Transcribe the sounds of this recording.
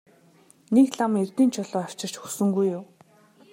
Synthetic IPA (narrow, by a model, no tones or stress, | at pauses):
nekɮamert̪iːnt͡ɕʰʊɮɔːar̥t͡ɕɪ̆rt͡ɕxusɵ̆ŋɡujːʊː